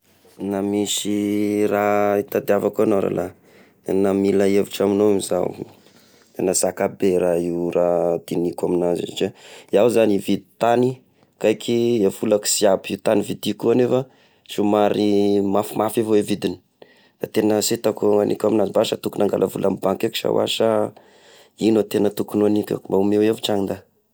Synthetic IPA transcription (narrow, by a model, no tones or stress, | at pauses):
namisirait̪ad̪iavakuanoɾa̰lʔa | namilaeviʈ͡ʂaminoemiza̰w | t̪enəzakabeɾaiwrad̪̥inikʲwaminazḭa̰ʈ͡ʂaiawzanivid̪i̥t̪ani | kajkʲʰiefulaki̥siabiut̪anivid̪ikuanefa | ʃumaɾimafimafavoevid̪ini̥ | d̥a̰t̪enəset̪akuanḭkʲaminazibaʃat̪ukunaŋɡa̰lʔavulʔamibaŋkeki̥ʃa̰wa̰ʃa | inot̪enət̪ukunoanikʲa̰mbaumeweviʈ͡ʂaŋind̪a